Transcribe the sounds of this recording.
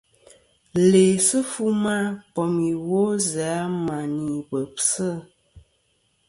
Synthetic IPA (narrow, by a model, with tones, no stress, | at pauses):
le˨sə˦fu˦ma˦pɔ˨mi˨wo˦zaː˨˦ma˨ni˨bə˨psə˦˨